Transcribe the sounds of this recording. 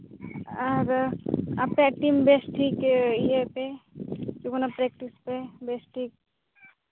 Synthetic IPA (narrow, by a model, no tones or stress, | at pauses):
ɐɾa̰pːeɐʈimbesʈʰikɦeped͡ʒokonapɾek̚ʈispebesʈʰik̚